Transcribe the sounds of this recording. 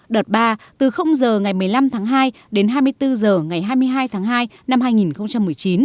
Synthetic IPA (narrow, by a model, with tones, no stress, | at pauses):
ɗəː˨˩t̚ɓaː˧t̪ɨ˨˩xə˧wŋ͡mzəː˨˩ŋa˨˩jmɨ˨˩əjla˧mt̪ʰaː˨˦ŋɦaː˧j | ɗe˨˦nɦaː˧jmɨ˧əjt̪ɨ˧zəː˨˩ŋa˨˩jɦaː˧jmɨ˧əjɦaː˧jt̪ʰaː˨˦ŋɦaː˧j | na˧mɦaː˧jŋi˨˩nxə˧wŋ͡mt͡ɕa˧mːɨ˨˩əjt͡ɕi˨˦n